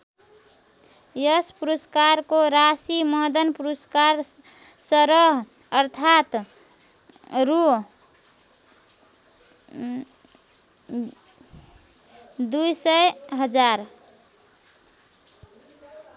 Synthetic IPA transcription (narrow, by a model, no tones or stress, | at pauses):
jəspuɾuskaɾkoɾasiməd̪ənpuɾuskaɾsəɾəɦ | əɾt̪ʰat̪ | ɾu | d̪ujsəɦəd͡ʒaɾ